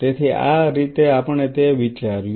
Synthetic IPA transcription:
t̪et̪ʰia̰ɾit̪eapəɳ̃et̪eʋit͡ʃaɾj

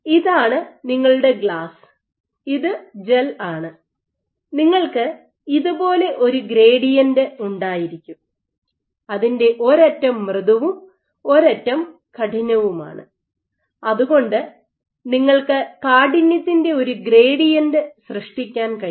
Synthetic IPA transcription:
iðaːɳɨniŋːɐɭuɽe̞ɡɭaːs | iðɨd͡ʑelaːɳɨ | niŋːɐɭkɨ | iðubo̞ːle̞ʔo̞ɾuɡɾe̞ːɽijɐndɨuɳɖaːjiɾikʲːum | ɐðinde̞ʔo̞ɾɐtːɐmːrɨðɐʋum | o̞ɾɐtːɐm | kɐʈʰiɲɐʋuma̰ːɳɨ̰ | ɐðuɣo̞ɳɖɨ | niŋːɐɭkɨkaːɽinjɐt̪ːinde̞o̞ɾuɡɾe̞ːɽijɐndɨsrɨʂʈikʲːaːnkɐ

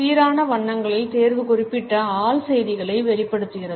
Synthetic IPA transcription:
iːɾaːnɐʋɐɳːɐŋɡɐɭɪlt̪eːɾʋɯkʊrɪpːɪʈːɐaːɭsɛjðɪɣɐɭɐɪʋɛɾɪpːɐɽɯt̪ːɯɣɪrɐð

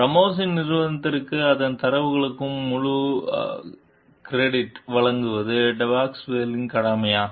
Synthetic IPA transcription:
pɾɐmoːs̬ɪnnɪɾʋɐnɐt̪ːɐɾɯkːɯɐðɐnt̪ɐɾɐʋɯɣɐɭɯkːɯmːʊɻu | kɪɾeːɽɪʈʋɐɭɐŋɡɯʋɐðɯɖɐʋaːksʋeːlɪŋkɐɽaːmɐjaː

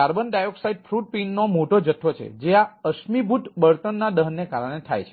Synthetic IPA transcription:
aɾbənɖajoksaiɖ̚pʰɾuʈ̚pinːomoʈod͡ʒəʈʰːot͡ʃʰḛd͡ʒeaəʃmibʱut̪bəɾt̪ənːaɗəɦənːekaɾəɽ̃et̪ʰa̰jt͡ʃʰe

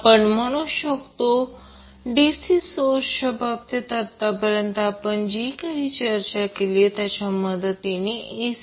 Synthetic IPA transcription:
pəɳm̤əɽ̃uɕəkt̪o | ɖesisoɕəbʱab̚t̪et̪at̪ːapəɾjənt̪əapəɳd͡ʑikaɦit͡ɕəɾt͡ɕakeliet̪jat͡ɕaməd̪ət̪inie

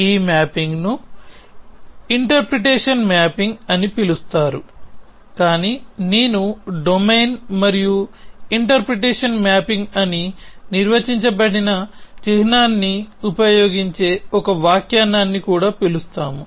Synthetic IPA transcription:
iːmaːpiŋɡnu | iɳʈɐɾpɾeʈeːʂɐnmaːpiŋɡɐnipilust̪aːɾu | kaːniːneːnuɖomejnmɐɾijuiɳʈɐɾpɾeʈeːʂɐnmjaːpiŋɡɐniniɾʋɐt͡ʃiɲt͡ʃɐbɐɽinɐt͡ʃiɦnaːnːiupɐjo̞ːɡiɲt͡ʃe̞ːɔkɐʋaːkjaːnaːnːikuːɽaːpilust̪aːmu

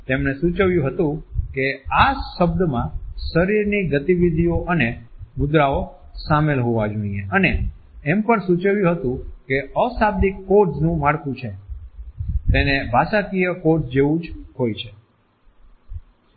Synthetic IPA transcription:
t̪emnesũt͡ʃəʋjũɦət̪ũkeaʃəb̚d̪mãʃəɾiɾniɡət̪iʋid̪ʱijoʔənemʊd̪ɾao | samelɦoʋad͡ʒonijeəneː | mpəɳsut͡ʃəʋjũɦət̪ũkeəsab̚d̪ikːoɾʈsnũmaɽkũt͡ʃʰe | t̪enebʱasakijəkoɾʈsd͡ʒeʋũd͡ʒɦojt͡ʃʰe

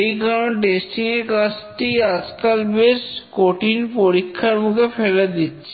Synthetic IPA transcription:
jkaɾonʈesʈiŋeɾkat͡ʃʈiad͡ʑkalbeskoʈinpoɾikʰːaɾmukʰefelad̪itːt͡ɕʰe

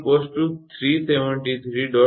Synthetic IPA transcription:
pɔsʈut̪ʰɾiːseʋə̃ɳʈit̪ʰɾiɖɔ

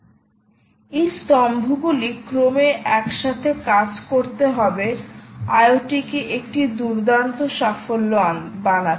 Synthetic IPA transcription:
ejst̪ɔmbʱuɡulikɾomeʔɛkʃat̪ʰekad͡ʑkoɾt̪eɦɔbeajoʈikeʔek̚ʈid̪uɾd̪ant̪oʃafolːoanbana

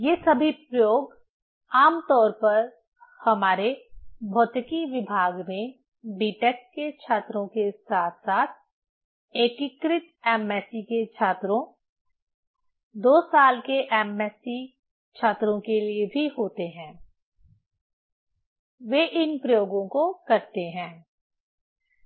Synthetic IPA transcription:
jeːsɐbʱipɾɐjoːɡ | aːmt̪ɔːɾpɐɾ | hɐmaːɾebʱɔːt̪əkiʋɪbʱaːɡmẽ | biːʈɛksket͡ʃʰaːt̪ɾõkesaːt̪ʰsaːt̪̚ʰ | eːkikɾɪt̪ɛːmɛːsiket͡ʃʰaːt̪ɾõ | d̪oːsaːlkeʔɛːmɛːsi | t͡ʃʰaːt̪ɾõkeliebʱiɦoːt̪eɦɛ̃ː | ʋeːʔɪnpɾɐjoːɡõkokɐɾt̪eɦɛ̃ː

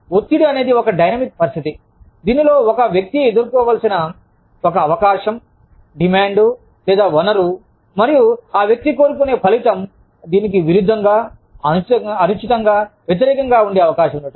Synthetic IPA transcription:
ot̪ːiɽiɐne̞ːd̪iɔkɐɖɐjnɐmik̚pɐɾist̪ʰit̪i | d̪iːnilo̞ːɔkɐʋjɐk̚t̪ied̪uɾkɔːʋaːlsinɐ | ɔkɐːʋɐkaːʃɐm | ɖimaːɳɖu | lɛːd̪aːʋɐnɐɾu | mɐɾijuaːʋjɐk̚t̪ikoːɾukune̞ːpʰɐlit̪ɐm | d̪iːnik̬iʋiɾud̪ʱːɐŋɡaː | ɐɐɾut͡ʃit̪ɐŋɡaːʋjet̪̬iɾɛːkɐŋɡaːuɳɖeːɐʋɐkaːʃɐmuɐɽu

